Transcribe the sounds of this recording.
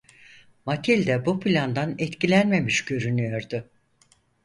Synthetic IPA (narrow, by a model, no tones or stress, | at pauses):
mat̪ʰilʲd̪ɛbupʰilʲand̪anɛt̪cilʲænme̞miʃɟø̞ɾynyjo̞ɾd̪ʊ